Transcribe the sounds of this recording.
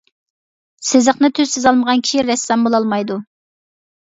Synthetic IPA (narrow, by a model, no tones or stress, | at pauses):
sɪzəχnɨt̪ʰøzsɪzɑlˠməʁɑnkʲʰi̥ʃiɾɛsːɛmbolˠɑlˠmɑjd̪u